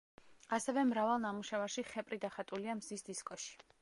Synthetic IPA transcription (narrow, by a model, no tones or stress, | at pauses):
asɛvɛmɾavalˠnamuʃɛvaɾʃiχɛpʼɾid̪aχat̪ʼuliamzisd̪iskʼɔʃi̥